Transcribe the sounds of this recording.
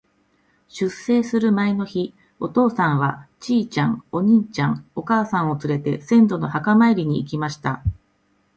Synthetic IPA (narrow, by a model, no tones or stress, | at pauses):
ɕɨsːe̞ːsɨɾɯ̟maeno̞çi | o̞t̪o̞ːsãɰ̃βat͡ɕiːt͡ɕãŋo̞ɲ̟it͡ɕãŋo̞kaːsãɰ̃o̞t͡sɨɾe̞t̪e̞sẽ̞nd̪o̞no̞hakamaiɾʲiɲ̟iːk̬ʲimaɕi̥t̪a